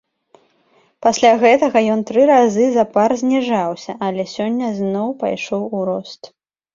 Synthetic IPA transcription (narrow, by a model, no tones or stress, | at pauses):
pasʲlʲaɣɛt̪ɐɣɐjɔnt̪ɾɨɾazɨzɐparzʲnʲiʐawsʲɐʔɐlʲɛsʲɔnʲːɐznɔwpa̰jʂɔwuɾɔst̪